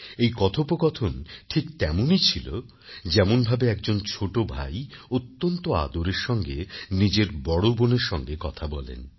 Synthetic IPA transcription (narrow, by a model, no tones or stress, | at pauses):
ejkɔt̪ʰopokɔt̪ʰonʈʰik̚t̪ɛmonit͡ɕʰilo̰ | d͡ʑɛmonbʱabeɛk̚d͡ʑont͡ɕʰoʈobʱa̰jot̪ːont̪oa̰d̪oɾeɾʃɔŋɡenid͡ʑeɾbɔɽoboneɾʃɔŋɡekɔt̪ʰabɔlḛn